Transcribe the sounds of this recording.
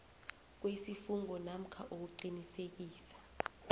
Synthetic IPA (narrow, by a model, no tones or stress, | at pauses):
k̬wesifuŋɔnam̩kʰaʔok̬uǃinisek̬iːsḁ